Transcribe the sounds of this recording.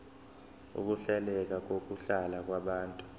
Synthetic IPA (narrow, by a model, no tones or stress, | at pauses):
ṵk̬uɬɛlɛk̬ak̬ok̬uɬalak̬waɓaːntʼu̥